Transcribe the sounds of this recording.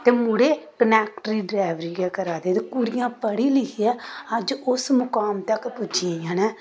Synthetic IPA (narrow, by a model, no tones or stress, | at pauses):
t̪eːmʊɽeːkənɛːk̚ʈɾiːɖɾaːʋɾiːɡɛːkəɾaːd̪eːt̪ekuɾɪjãːpəɽiːlɪkʰiaːəd͡ʒʊsmʊkaːmt̪əkpʊt͡ʃãjaːnɛː